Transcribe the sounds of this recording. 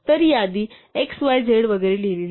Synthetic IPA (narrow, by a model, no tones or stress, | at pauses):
t̪əɾijad̪iː | eksʋajd͡zʱeɽʋəɡəɾelelil